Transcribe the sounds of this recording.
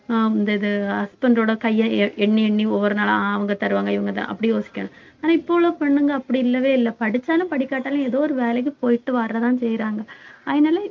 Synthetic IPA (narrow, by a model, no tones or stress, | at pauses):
ɪnd̪ɐɪðɯɐspɐnɖɾoːɽɐkɐjːɐ̃ɛɳːiɛɳːiɔʋːɐɾɐnaːlɐɐʋɐŋɡɐt̪ɐɾɯʋaːŋɡɐɪʋɐŋɡɐt̪ã̰ːʔɐpːɐɽijoːsɪ̥kʲːɐɳʊ̃ | aːnãːɪpːoːʋɭoːpɐɳːɯŋɡɐːpːɐɽiɪlːɐʋeːɪlːɐpɐɽɪt͡ʃːaːlɯ̃pɐɽɪkːaːʈːaːlɐ̃ɛðoːɔɾɯʋeːlɐkːɯ̃poːjɪʈːɯʋaːɾɾɐt̪ãːnsɛjːɾaːŋɡɐɐðɐnaːlɐ